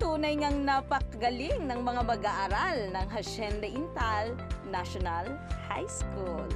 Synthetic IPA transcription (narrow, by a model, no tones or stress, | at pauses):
t̪uːnɐjŋɐŋnɐpɐkɡɐlɪŋnɐŋmɐŋamɐɡaʔaɾalnɐŋɦɐʃɛnd̪ɐʔɪnt̪alnaʃonalha̰jskul